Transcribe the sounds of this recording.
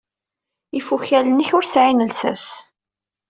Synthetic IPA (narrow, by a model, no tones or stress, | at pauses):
ifuçælənːiçʊɾsʕinəlsæ̰s